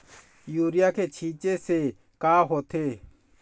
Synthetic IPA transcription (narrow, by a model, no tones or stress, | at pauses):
juːɾɪjakʰeːt͡ʃʰiːt͡ʃese | kaːɦoːt̪ʰeː